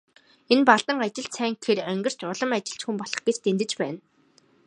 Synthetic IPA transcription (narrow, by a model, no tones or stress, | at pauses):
enpaɮt̪ə̆ŋat͡ɕɪ̆ɬsæːŋkxeɾœŋɡɪ̆r̥t͡ɕ̪ʊɮɞ̆mat͡ɕɪ̆ɬt͡ɕxumpɔɮ̥ɞ̆χɡet͡ɕt̪ent̪ɘ̆t͡ɕpæːn